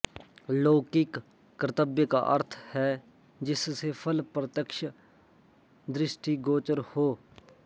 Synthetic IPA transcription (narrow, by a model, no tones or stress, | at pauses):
loːkɪkː | ɾət̪əbjəka̰ʔə̰ɾt̪ʰhɛː | d͡ʒɪssepʰəlpɾət̪əkʃ | d̪ɾɪʃʈiːɡoːt͡ʃəɾhoː